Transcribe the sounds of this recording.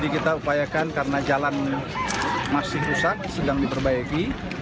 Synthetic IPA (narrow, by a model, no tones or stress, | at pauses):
dikit̪aupajakankarənad͡ʒalan | masɪhpusak̪̚sədaŋdibərbaiki